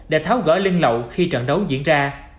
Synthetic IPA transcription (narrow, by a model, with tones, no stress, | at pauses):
ɗḛ˧˩˦t̪ʰaː˨˦wɣə̰ː˧˩li˧ŋlə̰˨wxi˧t͡ɕə̰˧˨nɗə˨˦wzḭ˧˥ənzaː˧